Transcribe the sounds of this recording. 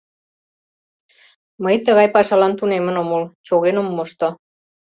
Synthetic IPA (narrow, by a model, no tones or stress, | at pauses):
məjt̪əɣɑjpɑʃɑlɑnt̪unemə̆nomolt͡ɕoɣenomːoʃt̪o